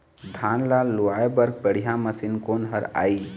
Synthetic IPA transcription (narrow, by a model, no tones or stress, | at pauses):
d̪ʱãnlaluaebəɾɡ̚pəɽ̤ijãməsinkoːnɦəɾa̰ːi